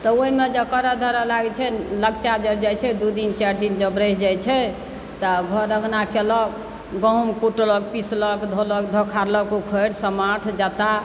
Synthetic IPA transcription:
t̪ɔoimed͡ʒəkəɾad̪ʱəɾalaɡɛt͡ʃʰɛləɡt͡ʃad͡ʒəd͡ʒajt͡ʃʰɛd̪ud̪int͡ʃaɾd̪ind͡ʒəbɾəɦd͡ʒajt͡ʃʰɛ | t̪ɔɡʱɔɾəɡnakelɔk | ɡɔumkuʈlɔk̚pislɔkd̪ʱolɔkd̪ʱɔkʰaɾlɔkukʰəjɽsəmaʈʰd͡ʒat̪a

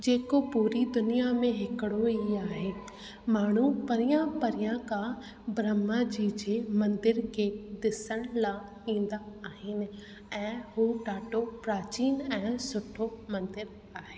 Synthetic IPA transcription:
d͡ʑeːkopuːɾid̪ʊnijamẽɦɪkəɽoiaːɦeː | maːɳ̤upɐɾɪjãpɐɾɪjãkã | bɾəmad͡ʑiːd͡ʒeːmɐ̃nd̪ɪɾkeːd̪ɪsəɽ̃la | ĩːnd̪aːɦɪnɪ̆ | ɛ̃ːɦuʈaːʈopɾaːt͡ɕiːnɛ̃ːsʊʈʰːomɐ̃nd̪ɪɾ | aːɦeː

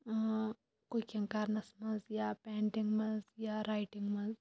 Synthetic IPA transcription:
koikɐ̃ŋkaɾnɐsmɐnzjapɛ̃ːɳʈiŋɡmɐzjaɾaːjʈɪŋɡmɐ̃z

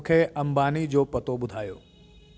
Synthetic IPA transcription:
kʰeʔɐmbaːnid͡ʒopət̪obʊd̪ʱaːjo̰ː

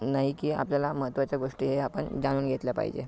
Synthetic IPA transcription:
naɦikiːa̰pljalaməɦət̪ʋat͡ɕjaɡoʂʈiːɦeapəɳd͡zañuːnɡʱet̪ljapa̰ɦḭd͡ʑḛ

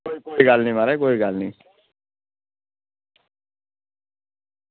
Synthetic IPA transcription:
oikoiɡaːlnĩmaɾaikoːiɡaːlnḭ̃

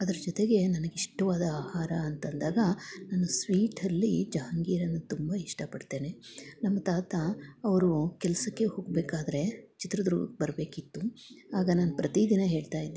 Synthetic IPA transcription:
ɐd̪ɐɾɐd͡ʒɔt̪e̞ɡe̞nɐnɐɡeiʂʈɐʋaːd̪ɐaːhaːɾɐːnt̪ɐnd̪aːɡɐnɐnːɐsʋiːʈʰɐlːid͡ʒaːŋɡiːɾɐnːut̪umbɐiʂʈɐpɐɽɖt̪e̞ːne̞nɐmːɐt̪aːt̪ɐɐʋɐɾukɛlɐsɐkːe̞hoːɡ̚beːkaːd̪ɐɾe̞t͡ʃit̪ɾɐd̪ɾṵbɐɾbe̞ːkit̪ːuaːɡɐnaːnupɾɐt̪id̪inɐɦe̞ːɭt̪aːjid̪ː

